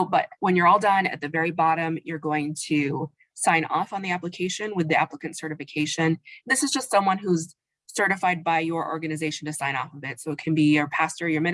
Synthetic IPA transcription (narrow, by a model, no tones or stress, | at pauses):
bʌt̚wə̃njə˞ɔlˠdʌ̃nɨ̰t̪̚ðɨvɛɹibɑɾɨ̃mjə˞ɡoʊɪ̃ŋtʰʉ | sãɪ̃nɔ̰fn̩ðiæpləkʰeɪʃɨ̃nwɨðiæ̰pləkɨ̃ntsɜ˞ɾɨfɨkʰeɪʃɨ̃nðɪsɨzd͡ʒʌstsʌ̃mwʌ̃nɦuz̥ | sɜ˞ɾɨfaɪd̚baɪjə˞ʔɔ̰ɹɡɨnɨzeɪʃn̩tɨsãɪ̃nɔ̰fʌvɪtsoʊɨt̚kʰɨ̃nbijə˞pʰæstə˞jə˞mɪ̃